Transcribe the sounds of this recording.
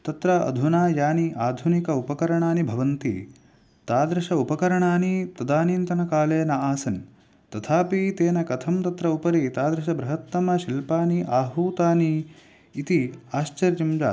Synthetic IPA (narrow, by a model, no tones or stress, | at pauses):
t̪ɐt̪ɾɐɐ̰d̪ʱunaːjaːniʔaːd̪ʱunikɐupɐkɐɾɐɳaːnibʱɐʋɐnt̪ḭ | t̪aːd̪ɾɐʃɐupɐkɐɾɐɳaːnit̪ɐd̪aːniːnt̪ɐnɐkaːleːnɐaːsɐn | t̪ɐt̪ʰaːpit̪eːnɐkɐt̪ʰɐmt̪ɐt̪ɾɐupɐɾit̪aːd̪ɾɐʃ̬ɐbɾɐɦɐt̪ːɐmɐʃilpaːniʔaːɦuːt̪aːniː | t̪iaːʃt͡ʃɐɾjɐmd͡ʒa̰ː